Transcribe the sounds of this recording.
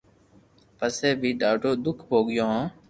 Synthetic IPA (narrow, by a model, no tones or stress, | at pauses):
pəseːbʱiːɖaːʈoːd̪ʊkʰbʱoːɡɪjõːɦãː